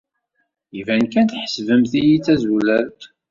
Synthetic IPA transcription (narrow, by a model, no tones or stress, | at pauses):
jivænkænt̪ħə̥svəmθijit͡sːæzulæɾt̪